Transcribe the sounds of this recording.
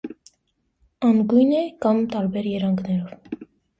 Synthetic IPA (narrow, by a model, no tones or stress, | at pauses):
ɑmɡujnɛkɑmt̪ɑɾbɛɾjɛɾɑŋɡnɛɾɔv